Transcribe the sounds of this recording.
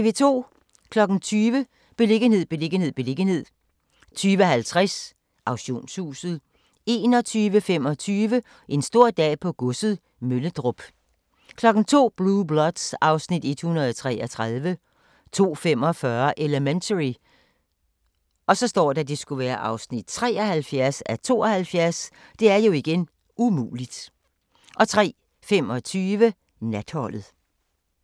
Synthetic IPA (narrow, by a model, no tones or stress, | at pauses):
t͡sʰeʋe̝t͡sʰo̝̰ː | kʰlɒ̽ɡ̥n̩t͡sʰyːʋə | b̥e̝le̝ɡ̥ən̩e̝ð̞̰ˠb̥e̝le̝ɡ̥ən̩he̝ð̞̰ˠb̥e̝le̝ɡ̥ənhe̝ð̰ˠ | t͡sʰyːʋəɦælt͡sʰʁas | ʔɑ̈ʊɕo̝̰ːnshṵːsð̞̩ˠ | e̝ːnɒ̽t͡sʰyːʋəfem̰ɒ̽t͡sʰyːʋə | ʔe̝nsd̥o̝ɐ̰d̥ɛ̰ːpʰɒ̽ɡ̥ɔsð̩ˠ | møləd̥ʁɔb̥ | kʰlɒ̽ɡ̥n̩t͡sʰo̝̰ːb̥lub̥lɒd̥sɑ̈ʊsnid̥e̝d̥hunɐðˠɒt͡sʰʁɛ̰ːɒt͡sʰʁaðˠʋə | t͡sʰo̝̰ːfem̰ɒ̽fɶɐʔeləment͡sʰəi | ʔɒ̽sɒ̽sd̥ɒ̰ːdɑd̥e̝sɡ̥uʋæːɐʔɑ̈ʊsnid̥̚t͡sʰʁɛ̰ːɒhælfjæɐsæt͡sʰo̝̰ːɒhælfjæɐsd̥e̝æɐjo̝iɡ̥en | umṵːlid̥ | ʔɒ̽t͡sʰʁɛ̰ː | fem̰ɒ̽t͡sʰyːʋə | næd̥hɒ̽lð̩ˠ